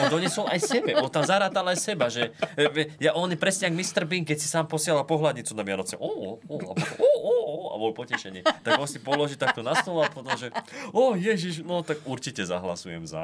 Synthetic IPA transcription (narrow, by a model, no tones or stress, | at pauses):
ɔnd̪ɔɲɛsɔlʔajsɛbɛʔɔnt̪amzaɾaːt̪alajsɛbaʒɛʋɛjaʔɔnipɾɛsɲɛaɡmist̪rbiŋk̚kːɛcsi̥saːmpɔsɪalapɔɦlad̪ɲit͡sunamɪanɔt͡sɛ̰ʔɔɔa̰bɔɔɔoa̰bɔlpɔcɛʃɛɲɪɛt̪aɡɔnsipɔlɔʒit̪ak̚t̪ɔnast̪ɔlɔapɔt̪ɔmʒɛɔjɛʒiʃnɔt̪aɡuɾt͡ʃicɛza̰ɦla̰sujɛ̰mza̰